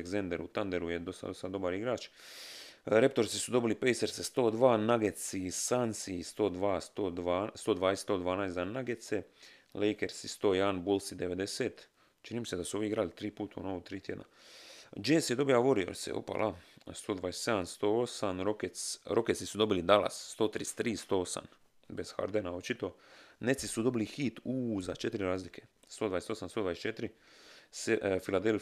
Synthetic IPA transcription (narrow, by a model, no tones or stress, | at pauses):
ɡzend̪eɾut̪and̪eɾujed̪osa̰d̪osad̪o̞baɾiɡɾaːt͡ʃ | ɾe̞p̚t̪o̞ɾsisud̪o̞bilipejseɾsest̪o̞ːd̪ʋaːnaɡet̪sisansist̪o̞ːd̪ʋaːst̪od̪ast̪o̞ːd̪ʋaːest̪oːd̪ʋaːnaːjszanaɡet̪se | lejkeɾsist̪o̞ːjanbulˠsid̪eʋe̞d̪e̞seːt̪ | t͡ʃiniːmised̪asuo̞ʋiiɡɾalit̪ɾiːpuːt̪ʰṵnoot̪ɾiːt̪jed̪na̰ | d͡ʒeːsjed̪o̞bijaʋoɾio̰ɾsḛo̰pa̰lʔast̪oːd̪ʋaːjese̞d̪amst̪o̞ːosamɾokesɾoket̪sisud̪o̞bilid̪ala̰sːt̪o̞ːt̪ɾist̪ːɾiːst̪oːosa̰m | besxa̰ɾd̪enao̞t͡ʃit̪o̞net̪sisud̪o̞bilixit̪uːzat͡ʃe̞t̪ɾiɾaːzlikʰe̞ | st̪o̞d̪aːest̪o̞samst̪od̪vajest͡ʃet̪ɾisefilad̪el